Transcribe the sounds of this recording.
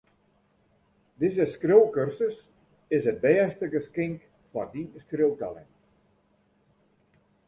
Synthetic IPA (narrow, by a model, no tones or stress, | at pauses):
dɪzəskrowkørsəs | ɪsəd̚bɛːstəɡəskɪŋk | fɔrdinskrøwtalɛ̰nt